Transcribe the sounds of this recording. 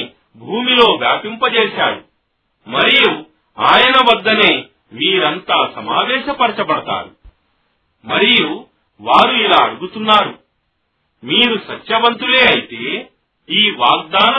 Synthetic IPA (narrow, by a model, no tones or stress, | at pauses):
bʱuːmilo̞ːbjaːpimpɐt͡ʃeːʃaːju | mɐɾiju | aːjɐnɐʋɐd̪ːɐne̞ː | miːɾɐnt̪aːsɐmaːʋɛːʃɐpɐɾɐt͡ʃɐpɐɽɐt̪a̰ːɾu | mɐɾiju | ʋaːɾuilaːɐɽuɡut̪unːaːɾu | miːɾusɐt͡ʃːjɐbɐnt̪ule̞ːɐjit̪eː | iːʋaːɡ̚d̪aːnɐ